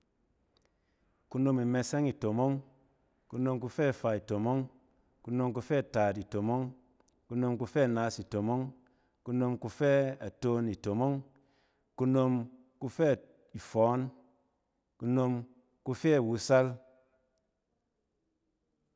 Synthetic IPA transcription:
ku˦no˧mi˨me˧se˦ŋi˨to˨mo˦ŋ | ku˧no˧mk̬u˧fɛ˦˨fa˧i˨to˨mo˦ŋ | ku˧˦no˧mk̬u˧fɛ˦˨ta˨ti˨to˨mo˦ŋ | ku˧no˧mku˧fɛ˦˨naː˧si˨to˨mo˦ŋ | ku˧no˧mku˧fɛ˦a˨to˧˦ni˨to˨mo˦ŋ | ku˧no˧m | ku˧fɛ˦˨ | i˨fɔ˨˦n | ku˧no˧m | ku˧fɛ˦a˨wu˧sa˦l

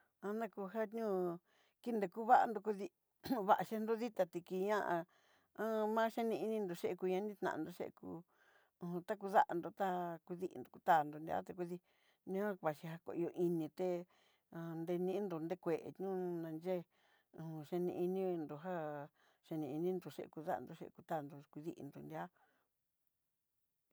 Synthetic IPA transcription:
ã˧nã˦ku˧ɦa˦tɲũː˦ | ki˦nd̪e˧ku˦βa˦ʔa̰˧nd̪o˧ku˧ði˧ | βa˧ʔa˧ʃe˧nd̪o˦ði˦t̪a˧t̪i˧ki˧ɲã˦˧ʔã˧ | ã˦mã˦ʃe˦nĩ˧i˧nĩ˧nd̪o˧ʃe˦e˧ku˧ɲã˧˦nĩ˦t̪nã̰˨˧nd̪o˧ʃḛ˦ʔḛ˧kũː˧˨˧ | t̪a˦k̬u˧ða˦ʔa˧nd̪o˧t̪a˦ku˧ði˦ʔḭ˧nd̪o˨˧ku̥˧t̪a˦˨nd̪o˧nd̪i˧ʔa̰˦t̪e˧ku˧ði˧ | nũ˦ã˦βa˨ʃi˧ɦa˧ko̰˧ʔi˧o˧ʔi˧nĩ˧t̪ẽ˧˨ | nd̪e˧nĩ˧˦nd̪o˨nd̪e˦kʷe˨ʔḛ˨ɲũ˦nã˧nd͡ʒẽ˦˧˨ | ʃe˧nĩ˧i˧nĩ˦˧nd̪o˧ɦa˦ | ʃe˧nĩ˧i˧nĩ˦nd̪o˧˨ʃḛ˦˧ʔku˧ða˦ʔa̰˧nd̪o˧ʃḛ˧ʔḛ˧ku˧t̪a˦˨nd̪o˧kʷi˧ðḭ˦ʔḭ˧nd̪o˨nd̪i˧a˦

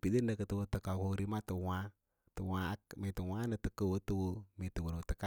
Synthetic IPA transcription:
pi˨di˦nə˨kə˨˦tu˦wo˦tə˨ka˨ko˦ɾi˦ma˦tə˨wa˦ | tə˨wa˨˦kme˨tə˨wʷa˦nə˨tə˨kə˦wo˦tu˦wu˦mi˨tə˨wu˨ɾo˨tə˨ka˦

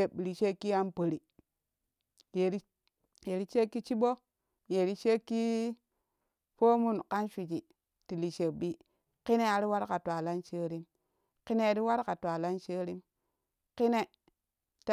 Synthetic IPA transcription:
e˨ɓɾi˨ʃe˦kːi˦a˦npə˨ɾi˨ | je˨ɾi˦ | je˨ɾi˦t͡ʃe˦kːi˦t͡ʃi˦bo˦ | je˨ɾi˦t͡ʃe˦kːi˦ | po˦mu˦nka˦nʃʷi˨t͡ʃi˨ | ti˨li˨ʃe˨bi˦ | ki˦ne˦a˨ɾi˦wa˦ɾka˨ta˨la˦nt͡ʃe˦ɾi˦m | ki˦ne˦˨ɾi˦wa˦ɾka˨twa˨la˦nt͡ʃe˦ɾi˦m | ki˦ne˨ | t

